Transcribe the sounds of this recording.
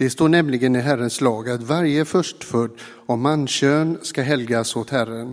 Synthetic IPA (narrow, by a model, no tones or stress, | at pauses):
d̪̥ɛst̪oːɳɛmlɪɡənɪɦæɾənslɑːɡat̪vaɾjəfœʂʈfœɖ̪ː | ɔmanːɕøːnskaɦɛlɡasot̪hæɾən